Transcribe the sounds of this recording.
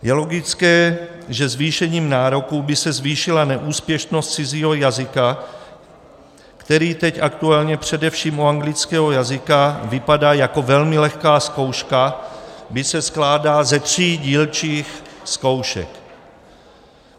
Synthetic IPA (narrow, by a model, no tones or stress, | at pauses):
jɛlo̞ɡɪt͡skɛː | ʒɛzviːʃɛɲiːmnaːɾo̞kubɪsɛzviːʃɪlanɛʔuːspjɛʃnost̪t͡sɪziːɦo̞jazɪka | kt̪ɛɾiːt̪ɛcʔakt̪ualɲɛpr̝̥ɛdɛfʃiːmuaŋɡlɪt͡skɛːɦo̞jazɪkavɪpadaːjako̞vɛlmɪlɛxkaːsko̞wʃkabɪsɛsklaːdaːzɛt̪r̝̥iːɟiːlt͡ʃiːxsko̞wʃɛ̰k